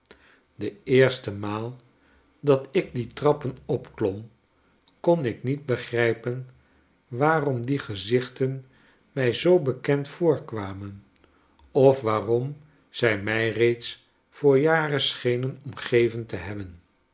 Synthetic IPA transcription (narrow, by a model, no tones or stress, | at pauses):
dəɪːɹstəmaːlˠ | dɑtɪk̚ditrɑpənɔpklɔm | kɔnɪknid̚bəχrɛjpən | ʋaːrɔmdiχəzɪχtən | mɛjzowbəkɛntfʊːɹkʋaːmən | ɔfʋaːrɔm | z̥ɛjmɛjrejts | fʊːɹjaːrəsχejnənɔmχejvəntəɦɛbən